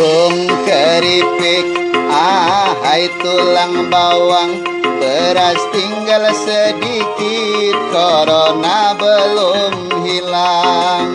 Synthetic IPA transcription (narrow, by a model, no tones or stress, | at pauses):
uŋkəɾipɪk̚aɦait̪ulaŋbawaŋ | bəɾast̪iŋɡalsədikit̪̚koɾonabəlʊmɦilaŋ